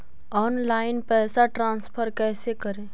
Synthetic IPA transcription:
ɔːnlaːɪnpɛːsaʈɾãːnspʰəɾkɛːsekəɾẽː

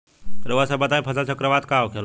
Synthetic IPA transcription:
t̪əɾʋsabət̪aĩpʰəsat͡ʃəkɾəʋat̪kaokʰel

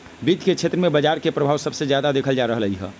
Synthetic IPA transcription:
bid̪ʱket͡ʃʰeːt̪ɾəmẽbəd͡ʒaɾkepɾəbʱaːʋsəbsed͡ʒjad̪ad̪eːkʰəld͡ʒaɾəɦələɦiɦɛ̰

